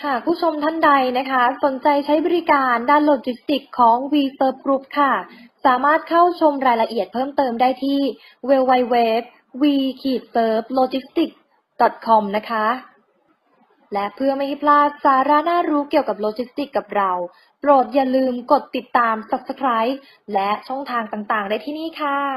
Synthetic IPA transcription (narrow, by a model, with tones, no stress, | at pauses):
kʰa˥˩pʰuː˥˩t͡ɕʰo˧mt̪ʰa˥˩nda˧jna˦˥kʰa˦˥so˩˦nt͡ɕa˧jt͡ɕʰa˦˥jbɔ˧ɾiː˦˥kaː˧ndaː˥˩nloː˧t͡ɕi˦˥st̪i˨˩kʰːɔː˩˦ŋwiː˧sɤː˦˥p̚kɾu˦˥p̚kʰa˥˩saː˩˦maː˥˩t̪̚kʰa˥˩wt͡ɕʰo˧mɾaː˧jla˧ʔi˨˩ət̪̚pʰɤː˥˩mt̪ɤː˧mdaː˥˩jt̪ʰiː˥˩ | weː˧wa˧jweː˦˥p̚ | wiː˧kʰiː˨˩t̪̚sɤː˦˥p̚loː˧t͡ɕi˦˥st̪i˨˩k̚ | dɔ˨˩t̪̚kʰɔ˧mna˦˥kʰa˦˥ | lɛ˦˥ʔpʰɯ˥˩ɐma˥˩ha˥˩pʰlaː˥˩t̪̚saː˩˦ɾa˦˥naː˥˩ɾuː˦˥ki˨˩əwka˨˩p̚loː˧t͡ɕi˦˥st̪i˨˩kːa˨˩p̚ɾa˧w | pɾoː˨˩t̪̚jaː˨˩lɯː˧mko˨˩t̪ːi˨˩t̪ːaː˧msa˨˧˩p̚sa˧kʰɾaː˦˥j̚ | lɛ˦˥ʔt͡ɕʰɔ˥˩ŋt̪ʰaː˧ŋt̪aː˨˩ŋt̪aː˨˩ŋdaː˥˩t̪ʰiː˥˩niː˥˩kʰa˥˩